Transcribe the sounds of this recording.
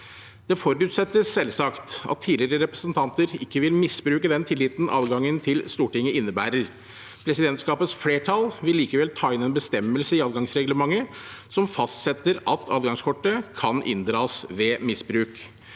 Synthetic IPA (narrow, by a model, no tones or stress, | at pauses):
d̪̥ɛfɔɾʉːt̪sɛt̪ːəsːɛlːsɑkt̪ɑ̰t̪ʰːiːdlɪɾəɾɛpɾəsənt̪ʰɑnt̪əɾɪkːəʋɪlmɪsbɾʉːkəd̪ɛnt̪ʰɪlːɪːt̪n̩ʔɑ̰ːd̪ɡɑŋːənt̪ʰɪlst̪uːʈɪŋːəɪnːəbæ̰ːɾəɾ | pʰɾɛsɪd̪ɛnt̪skɑːpət̪sfleːʈʰɑlʋɪlːiːkəʋɛlt̪ʰɑːɪnɛːnbəst̪ɛmːəlsəɪɑːd̪ɡɑŋsɾɛɡləmɑŋːəsɔmfɑst̪sɛt̪ːəɾɑt̪ʰɑ̰ːd̪ɡɑŋskʰɔʈːəkʰɑnʔɪ̰nd̪ɾɑːsʋɛmɪsbɾʉːk